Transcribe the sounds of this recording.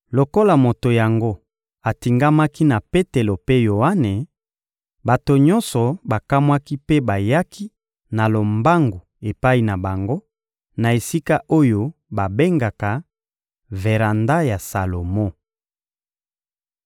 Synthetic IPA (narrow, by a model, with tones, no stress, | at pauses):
lo˨ko˦la˨mo˨to˨ja˨ŋɡo˦ | a˨ti˨ŋɡa˦ma˦ki˦na˨pe˦te˨lo˨pe˦jo˨a˦ne˨ | ba˨to˨ɲɔ˦nsɔ˨ba˨ka˦mwa˦ki˦pe˦ba˨ja˦kʰi˦ | na˨lo˨mba˦ŋɡu˨ | e˨pa˦i˨na˨ba˨ŋɡo˦ | na˨e˨si˦ka˦ʔo˦jo˦ba˨be˦ŋɡa˨ka˨ | ve˨ʁa˨nda˦ja˨sa˨lo˨mo˦˨